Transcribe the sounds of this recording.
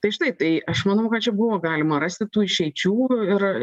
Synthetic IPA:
t̪ɐɪʒɪnɐɪp̚t̪ɐɪʔɐʃmɐnɐʊkɐt̪̚t͡ʃʲɛbʊʋoːɡɑːlʲɪmɐɾɐsʲt̪ʲɪt̪uːɪʃʲɛɪt͡ʃʲuːɪr

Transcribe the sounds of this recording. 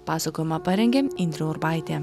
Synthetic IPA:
pɑːsɐkoːjɛmɐpɐɾʲɛŋʲɡʲeːɪnʲd̪ʲɾʲoʊɾbɑˑɪt̪ʲeː

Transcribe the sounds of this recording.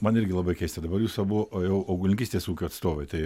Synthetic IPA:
mɐnɪɾʲɡʲɪlˠɐbɐɪkʲɛɪsʲt̪ʲɛd̪ɐbɐɾjuːsɐbʊʋoːjɛʊɐʊɡʊlʲɪŋkʲiːsʲt̪ʲeːsuːkʲuːɐt̪st̪oːʋɐɪt̪ɐɪ

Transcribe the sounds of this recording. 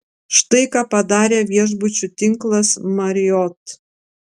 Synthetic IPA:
ʃt̪ɐɪkɑːpɐd̪ɑːɾʲeːʋʲiɛʒbʊt͡ʃʲut̪ʲɪŋklˠɐsmɐɾʲɪjɔt̪

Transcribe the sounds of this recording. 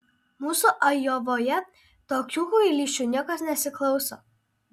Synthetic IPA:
muːsuʔɐjoːʋoːjɛ | t̪oːkʲuːkuilʲiːʃʲt͡ʃʲuːnʲiɛkɐsnʲɛsʲɪklˠɒʊso̰ː

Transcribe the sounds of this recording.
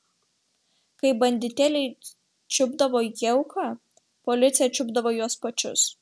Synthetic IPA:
kɐɪbɐnʲd̪ʲɪt̪ʲɛlʲɛɪ | t͡ʃʲʊbd̪ɐʋoːjɛʊkʰɑ | pɔlʲɪt̪sʲɪjɛt͡ʃʲʊbd̪ɐʋoːjuɔspɐt͡ʃʲʊ̰s

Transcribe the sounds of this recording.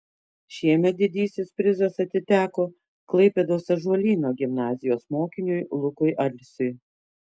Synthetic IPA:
ʃʲiɛmʲɛt̪̚d̪ʲɪd̪ʲiːsʲɪspʲɾʲɪzɐsɐt̪ʲɪt̪ʲæːkoː | klˠɐɪpʲed̪oːsɐʒɔlʲiːnoːɡʲɪmnɑːzʲɪjoːsmoːkʲɪnʲʊjlˠʊkʊɪʔɐlʲsʲʊɪ

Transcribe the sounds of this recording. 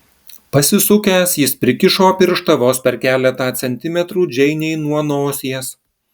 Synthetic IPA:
pɐsʲɪsʊkʲæːsjɪspʲɾʲɪkʲɪʃoːpʲɪɾʃt̪ɐʋoːspʲɛɾkʲæːlʲɛt̪ɑːt̪sʲɛnʲt̪ʲɪmʲɛt̪ɾuːd͡ʒʲɛɪnʲɛɪnuɔnoːsʲiɛs

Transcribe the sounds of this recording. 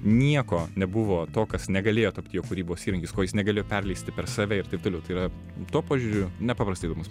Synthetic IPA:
nʲiɛkoːnʲɛbʊʋoːt̪oːkɐsnʲɛɡɐlʲeːjoːt̪ɐpʲt̪ʲjoːkʊɾʲiːboːsʲiːɾɐŋʲkʲiːskoːjɪsnʲɛɡɐlʲeːjoːpʲɛrʲlʲɛɪsʲt̪ʲɪpʲɛɾsɑːʋʲɛɪɾt̪ɐɪp̚t̪oːlʲɛʊt̪ɐɪiːɾɐ | t̪uɔpoːʒʲʊɾʲʊnʲɛpɑːpɾɐst̪ɐɪd̪ːmʊs

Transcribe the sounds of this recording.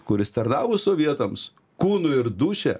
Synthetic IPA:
kʊɾʲɪst̪ɐɾnɑːʋʊsoːʋʲiɛt̪ɐms | kuːnʊɪɾd̪uːʃʲɛ

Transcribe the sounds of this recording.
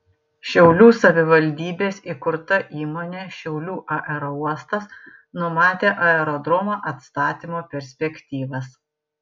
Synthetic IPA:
ʃʲɛʊlʲuːsɐʋʲɪʋɐlʲd̪ʲiːbʲeːsikʊɾt̪ɐʔiːmoːnʲeːʃʲɛʊlʲuːʔɐʔɛɾɔuɔst̪ɐs | nʊmɑːt̪ʲeːʔɐɛɾɔd̪ɾɔmoːʔɐt̪st̪ɑːt̪ʲimoːpʲɛɾʲsʲpʲɛkʲt̪ʲiːʋɐs

